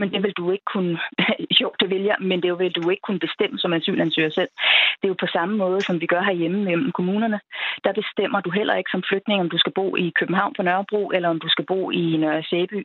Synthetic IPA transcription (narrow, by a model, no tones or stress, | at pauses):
mend̥e̝ʋe̝ld̥ue̝ɡ̥ə̥kʰunəɕɔʊ̰d̥eʋeljɐmend̥e̝ʋe̝ld̥ue̝ɡ̥kʰun̩b̥e̝sd̥em̰əsɒ̽mæsy̰ːlænsy̰ːɐsel̰d̥e̝jopʰɒ̽sɑ̈məmɔ̽ːð̞ˠsɒ̽mʋiɡ̥ɶɐɦæɐjeməmem̰̩kʰo̝muːnɐnəd̥ɑ̈b̥e̝sd̥em̰ɐd̥uɦel̰ʔɐ̰e̝ɡ̥sɒ̽mfløɡ̥̚d̥ne̝ŋəɒ̽md̥usɡ̥æb̥o̰ːʔikʰøb̥n̩ɦɑ̈ʊ̰npʰɒ̽nɶɐb̥ʁṵːʔelɐɒ̽md̥usɡ̥æb̥o̝̰ːinseːb̥y̰